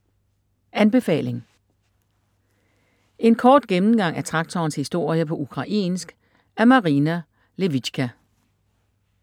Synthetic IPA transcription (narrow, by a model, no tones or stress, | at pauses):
ænb̥e̝fɛ̰ːle̝ŋ | e̝nkʰɒːd̥ɡ̥emn̩ɡ̥ɑ̈ŋ̰æɐt͡sʰʁɑ̈ɡ̥̚t͡sʰɒːnshisd̥o̝ɐ̰jəpʰɒ̽ukʰʁɑ̈ʔḛːnsɡ̥ | æɐmɑ̈ʁinæ | le̝ʋi̥ɕkʰæ